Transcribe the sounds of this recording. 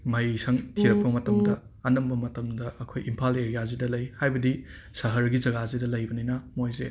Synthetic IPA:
mɐjsɐŋtʰiɾɐk̚pɐmɐtɐmdɐ | ɐnɐmbɐmɐtɐmdɐɐkʰojimpʰaleɾijazidɐlɐjhajbɐdi | sɐɦɐɾɡizɐɡazidɐlɐjbɐninɐmojze

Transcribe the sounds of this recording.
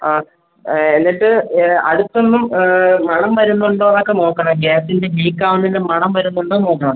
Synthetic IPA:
aː | enːiʈːɨɐ̰ɽut̪ːonːumːɐɳɐmʋɐɾunːuɳɖoːnɐkːeno̞ːkːɐɳɐmɡeːsinde̞ɦiːkːaːʋunːɐindemɐɳɐmʋɐɾunːuɳɖoːno̞ːkːɐɳɐmɐ

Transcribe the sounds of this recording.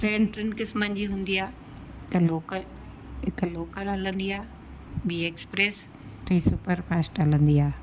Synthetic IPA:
fɾẽːɳɖʈɾɪnkɪsmə̃nd͡ʑiɦũːn̆d̪iaː | kloːkəl | ɦɪkloːkəlɐlə̃nd̪iaː | biːeːkspɾeːs | ʈɾiːsupəɾpɛːsʈɐlə̃nd̪iaː

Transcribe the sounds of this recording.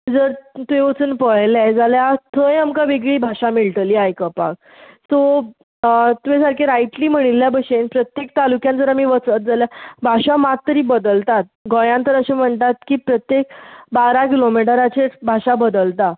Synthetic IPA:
d͡zəɾt̪ueot͡sənpəɭlajd͡zaljat̪ʰəjamkaʋeɡɭiːbʱaʂamiɭʈəliajkəpa̰k | so | t̪uʋẽsaɾkʰeɾaiʈliːm̤əɽ̃iljabəɕenpɾət̪jek̚t̪alukjãnd͡zəɾamiːʋət͡sət̪̚d͡zaljabʱaʂamat̪ːəɾiːbəd̪əlt̪at̪̚ɡɔjãnt̪əɾəɕem̤əɳt̪at̪kiːpɾət̪jek̚baɾak̬ilomiʈəɾat͡ɕebʱaɕabəd̪əlt̪a

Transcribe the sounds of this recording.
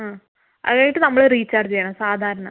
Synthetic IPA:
aː | ʔɐ̰ðɣaːiʈːɨnɐmːɐɭeriːt͡ɕːaːrd͡ʑɐjaːɳɐsaːd̪ʱaːɾɐɳɐ

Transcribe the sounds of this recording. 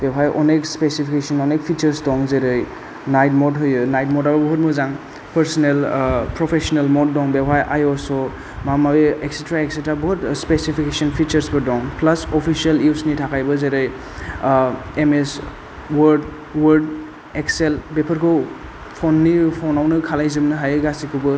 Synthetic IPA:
bewɦajʔɔ̰nekspesipʰikesɔnɔnek̚pʰit͡ʃəɾsdɔŋzeɾɯj | najt̚mɔdɦɯjɯnajt̚mɔdalbuɦut̚mɔzaŋ | pʰɐɾsɔnelpɾɔpʰesɔnelmɔt̚dɔŋbewɦajʔajɔsɔ | mamabeeksetɾaeksetɾabuɦutspesipʰikesɔnpʰit͡ʃɐɾsbɯdɔŋplɐsopʰisieliwsnitʰakʰajbɐzeɾɯj | emes | wɐɾd | wəɾd̚ | ekselbepʰɐɾkʰow | pʰonːipʰonawnɯkʰalajzɯmnɯɦajɯɡasikʰɯbɯ

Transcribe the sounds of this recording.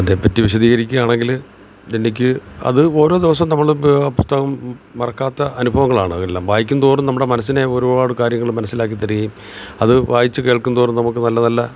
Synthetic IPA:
ɐðe̞ːpːɐtːiʋiɕɐðiːɣɐɾikʲːuaːɳe̞ŋɡil | enːik̬ʲːɨɐ̰ðɨo̞ːɾo̞ːd̪iʋɐs̬ɐmnɐmːɐɭɐpust̪ʰɐɣɐmːɐrɐkːaːt̪ːɐɐnubʱɐʋɐŋːɐɭaːɳɨɐelːaːmʋaːjikʲːund̪oːrumnɐmːɽe̞mɐnɐs̬ːine̞o̞ɾubaːɽɨkaːɾjɐŋːɐɭɨmːɐnɐsːilaːk̬ːit̪ːɐriɣɐjum | ɐðɨʋaːjit͡ɕːɨke̞ːɭkːund̪oːrumnɐmukːɨnɐlːɐnɐlːɐ

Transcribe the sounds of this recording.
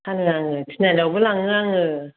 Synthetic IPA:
kanɯaŋɯtʰinalɔbɯlaŋɯaŋɯ

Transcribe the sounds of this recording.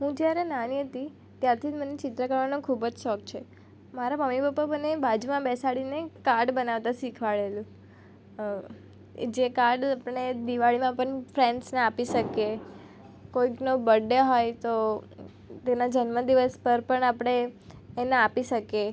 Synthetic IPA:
ɦũd͡ʒjaɾenaniɦət̪i | t̪jaɾt̪ʰid̪mənet͡ʃɪt̪ɾəkəɾʋanõkʰubd͡ʒʃɔk̚t͡ʃʰe | maɾaməmːipapːabənebad͡ʒumãbɛsaɭinekaɾɖbənaʋt̪ãsikʰʋaɭelũ | d͡ʒekaɾɖapəɳ̃ed̪iʋaɭimãpəɳfʰɾeɳɖsneapiʃəke | koiknobəɖːeɦojt̪o | t̪enad͡ʒənməd̪iʋəspəɾpəɳapəɽ̃eːneapiʃəke

